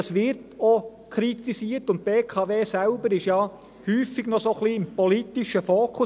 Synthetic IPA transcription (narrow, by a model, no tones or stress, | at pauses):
ɑsʋɪrtokʰɾitisiərtʊnt̚peːkʰɑʋeːsælbəɾɪʃjɑ | hyːfɪɡnɔsoχliːɪmpɔlitiʃəfoːkʰʊ